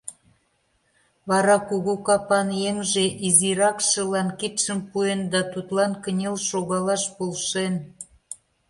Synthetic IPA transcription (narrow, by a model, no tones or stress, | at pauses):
βɑɾɑkuɣukɑpɑnjemʒeʔiziɾɑkʃə̆lɑnkit̪ʃəmpuend̪ɑt̪ut̪lɑnkə̆nʲelʃoɣɑlɑʃpolʃen